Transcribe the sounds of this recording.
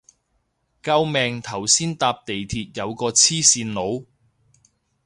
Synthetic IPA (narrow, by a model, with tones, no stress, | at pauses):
kɐ˧wmɛː˨ŋt̪ʰɐ˨˩wsiː˥nt̪aː˧p̚t̪e˨jt̪ʰiː˧t̚jɐ˨˧wkɔː˧t͡sʰiː˥siː˧nlo˨˧w